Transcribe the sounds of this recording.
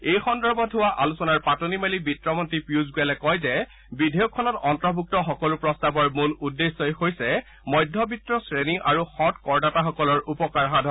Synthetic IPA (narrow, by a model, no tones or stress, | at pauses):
ejxɔndɔɹbɔʊwaʔalusɔnaɹpatonimelibitɹɔmɔntipɹiuzɡujalɛkɔjzɛ | bidʱɛjɔkʰːɔnɔtɔntɹɔbʱuk̚tɔxɔkɔlupɹɔstabɔɹmuludːesːɔjxojsɛ | mɔjdʱːɔbʱitɹɔsɹeniʔaɹuxɔtkɔɹnataxɔkɔlɔɹupɔkaɹɦadʱɔ